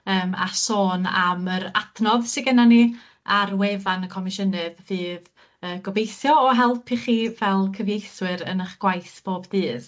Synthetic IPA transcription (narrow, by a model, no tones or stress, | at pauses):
əːma̰soːna̰məɾatʰnɔðsɪɡənani | arwevanəkʰɔmɪʃənɨðvɨːð | əːɡ̥ɔbejθjɔɔɦɛlˠpʰiχiːvɛlˠkʰəvjejθwɨɾə̰nəχɡ̥wajθb̥oːbdɨːð